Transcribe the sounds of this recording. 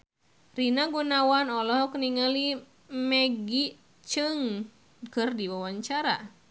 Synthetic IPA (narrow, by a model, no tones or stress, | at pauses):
rinaɡunawanɔlɔɦkəniŋali | mɛɡi | t͡ʃɨŋ | kɨrdiwawaɲt͡ʃaɾa